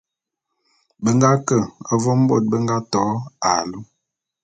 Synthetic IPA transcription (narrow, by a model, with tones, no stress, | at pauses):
bə˦ŋɡa˦kə˨a˦vɔ˦m̩˦bo̰˦˨t̚bə˦ŋɡa˦tɔ˨˦a˨lu˦